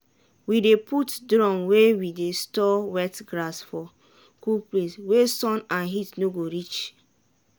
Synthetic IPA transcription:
widepʰutdɹɔ̃mwewidestɔwɛtɡɾasfɔ | kupleswesɔ̃nãnɦitnoɡoɾit͡ʃ

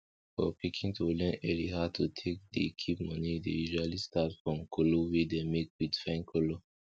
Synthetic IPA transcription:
fɔ̰pʰikʰĩŋtʰulɛ̃nɛɹihatʰutʰek̚dḭkʰipmɔnidejuʒualistʰatfɹɔ̃mkʰolowidemekwidifãɪ̃nkʰolo

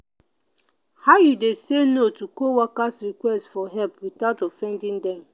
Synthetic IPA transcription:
haʊjudesenotukowakasɾikwɛstfɔɦɛlpwitaʊtɔfɛ̃ndɪ̃ndɛm

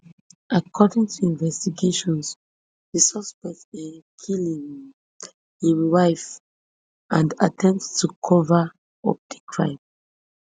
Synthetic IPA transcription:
akʰɔdĩŋtʰuĩnvɛstiɡeʃɔ̃ns | disɔspɛk̚tĩnkʰilĩŋ | hiwaɪf | ʔãnda̰tʰɛ̃mpttʰukʰɔva | ɔp̚dikʰɹãɪ̃m

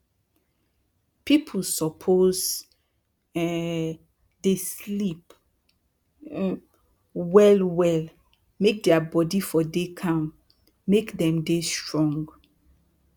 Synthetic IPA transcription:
pipʰl̩sɔpʰoz | deslip | wɛlwɛl | mek̚dɛabɔdifɔdekʰãmː | ekdɛ̃mdestɹɔ̃ŋɡ

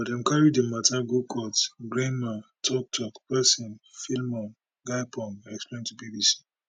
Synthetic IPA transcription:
ɔdɛ̃mkʰaɹidemataɡukʰɔtɡɹẽnmatʰɔk̚tʰɔkpɛsĩnfilmãn | ɡaɪpɔ̃naɛksplẽntubibisi̥

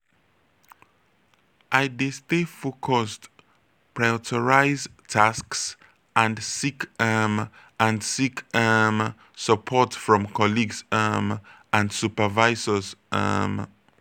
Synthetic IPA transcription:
ʔaɪdestefokʰɔst | pʰɹajɔtʰəɹaɪztʰasks | ə̃ndsikɛm | ʔə̃ndsikʰɛm | səpʰɔtfɹɔ̃mkʰɔliɡsəm | ə̃ndsupəvaɪzəzə̰m

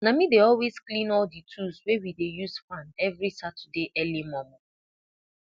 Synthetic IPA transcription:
namideɔlwezklĩnɔlditʰuswewidejuzfãnɛvɾisatdeʔɛlimɔmɔ

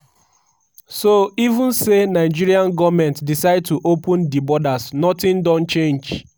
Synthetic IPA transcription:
soivʊ̃nsenaɪd͡ʒiɾiãnɡɔvmɛ̃ntdisaɪd̚tuʔopʊ̃ndibɔdasnɔtɪ̃ndɔ̃n̩t͡ʃẽnd͡ʒ

